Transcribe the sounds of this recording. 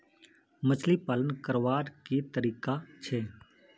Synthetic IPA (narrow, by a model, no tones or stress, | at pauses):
mət͡ʃʰlipaːlənkəɾʋaːɾkit̪əɾiːkat͡ʃʰeː